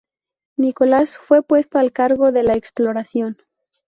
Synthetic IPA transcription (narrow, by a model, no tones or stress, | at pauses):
niko̞lasfwe̞pwe̞st̪oalkaɾɣo̞ðe̞laeksplo̞ɾasjo̞n